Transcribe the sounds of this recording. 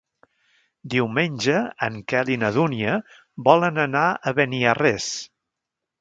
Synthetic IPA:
d̪iwmenʲʒəə̰ŋkɛlinəðuniə | bɔlənənaəβɛniəres

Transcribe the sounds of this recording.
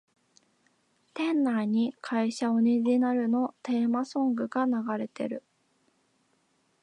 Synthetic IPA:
t̪ẽ̞nːaɲ̟ikʰaiɕaoɾʲiʑinaɾɯ̟no̞t̪e̞ːmasõ̞ŋɡɯ̟ɡanaɡaɾe̞t̪e̞̰ɾɯ̟

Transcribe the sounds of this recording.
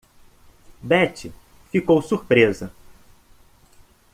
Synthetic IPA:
bɛt͡ʃɪ | fikowsuɾpɾezɐ

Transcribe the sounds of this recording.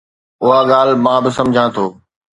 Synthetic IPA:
ʊɦaɠaːlmãːbɪsɐ̃md͡ʑʱãːt̪ʰoː

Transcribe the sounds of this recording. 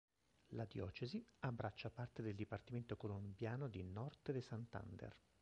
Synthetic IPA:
lad̪jɔ̰ːt͡ʃeziabːɾat͡ʃːapart̪ed̪eld̪ipart̪iment̪okolombjaːnod̪inɔrt̪d̪esant̪a̰nd̪ḛr

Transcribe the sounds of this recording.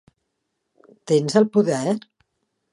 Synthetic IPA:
t̪enzəlˠpuðɛɾ

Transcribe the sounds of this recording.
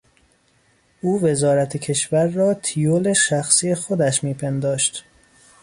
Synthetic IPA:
ʔuːve̞zɒːɾæt̪ʰecʰe̞ʃvæɾːɒːt̪ʰijoleʃæxsiːexo̞d̪æʃmiːpʰe̞nd̪ɒːʃt̪

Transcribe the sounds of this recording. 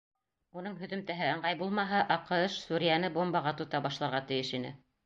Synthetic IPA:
unɤɴɦɵ̆ðɵ̆mt̪æɦɘɤ̆ɴʁɑjbulˠmɑɦɑʔɑqɤ̆ɤʃsuɾʲijænɘbombɑʁɑt̪ŏt̪ɑbɑʃlˠɑɾʁɑt̪ɘ̆jɘʃin̪ɘ̰

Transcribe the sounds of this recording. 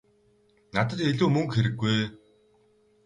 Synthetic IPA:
nat̪ə̆t̪eɮuːmɵŋkxeɾɘ̆ɡːuj

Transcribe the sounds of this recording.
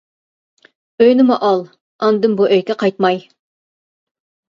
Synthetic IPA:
øjnɪmuʔɑlˠ | ɑnd̪ɨmbuʔøjkʲɛqʰɑjt̪̚mɑj

